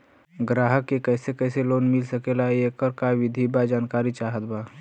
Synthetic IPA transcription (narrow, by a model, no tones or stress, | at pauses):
ɡɾaːɦəkːekɛːsekɛːseloːnmɪlsəkelaeekəɾkaʋɪd̪ʱibad͡ʒaːnkaːɾit͡ʃaːɦət̪baː